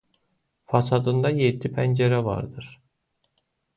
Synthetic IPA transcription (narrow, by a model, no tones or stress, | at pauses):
fɑsɑd̪ɯnd̪ɑjed̪ːipʰænd͡ʒeɾævɑ̰ɾd̪ɯɾ̥